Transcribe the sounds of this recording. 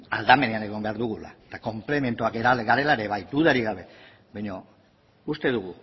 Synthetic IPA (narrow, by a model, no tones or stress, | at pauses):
a̰ld̪ame̞neane̞ɣ̞ombe̞aɾðuɣ̞ula̰et̪ako̞mple̞me̞nt̪uakeɾalɣaɾe̞laeɾe̞βajt̪uðaɾiɣaβ̞e̞ | bajɲo | ust̪e̞ðuɣ̞u